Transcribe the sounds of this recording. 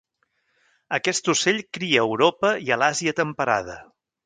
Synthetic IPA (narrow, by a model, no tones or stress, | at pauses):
əkɛst̪useʎʲkɾiəːwɾopəiəlaziət̪əmpəɾa̰ð̞ə̰